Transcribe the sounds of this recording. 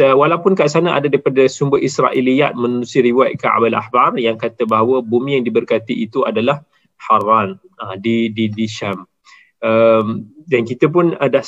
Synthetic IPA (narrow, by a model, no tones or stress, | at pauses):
əwalapʊnkaʔs̬anaʔa̰dadaɾipadasumbəisɾa̰ʔilija̰ʔ̪̚mə̃nũsiəɾiwat̪̚kaa̰bala̰hbarjaŋkat̪əbaɦawəbumĩjaŋdibərkat̪iʔːt̪uadalah | haran | ədididiʃam | ʔəmdankit̪əp̬ʊnda